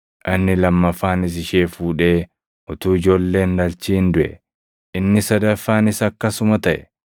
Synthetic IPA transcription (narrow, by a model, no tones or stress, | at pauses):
ʔɐnːɪlɐmːɐfːaːnɪs̬ɪʃeːfuːᶑe̞ː | hʊt̪uːɪd͡ʒo̞ːlːe̞ːnlɐlt͡ʃiːnd̪ʊʔɛ̰ | ʔɪnːɪsɐd̪ɐfːaːnɪsɐkːɐsʊmɐt̪ɐʔɛ̥